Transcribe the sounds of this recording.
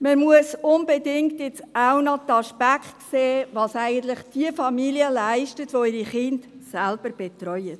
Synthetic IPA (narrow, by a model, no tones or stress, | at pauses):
məmuəsʊnbedɪŋkt̪ɪt͡sawnɑt̪ɑʃpækχtkseːʋɑːsæɪɡənt̪ləχd̥iəfɑmiliəlæɪʃtətʋoɪɾiχɪndsælb̥əɾb̥ɛt̪rœjət